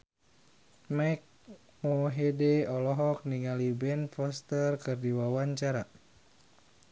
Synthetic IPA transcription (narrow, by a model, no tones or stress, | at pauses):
majk̚ | mɔɦedɛɔlɔɦɔk̚niŋalibɛnfɔst̪ərkɨrdiwawaɲt͡ʃaɾa